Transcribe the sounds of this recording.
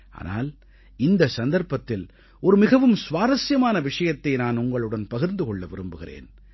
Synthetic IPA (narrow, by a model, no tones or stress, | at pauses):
ʔa̰ːna̰ːl | ɪnd̪ɐsɐnd̪ɐɾpɐt̪ːɪl | ɔɾɯmɪɣɐʋɯmsʋaːɾɐsjɐmaːnɐʋɪʂɐjɐt̪ːɐɪnaːnʊŋɡɐɭɯɽɐnpɐɣɪɾnd̪ɯkɔɭːɐʋɪɾɯmbɯɣɪrḛːn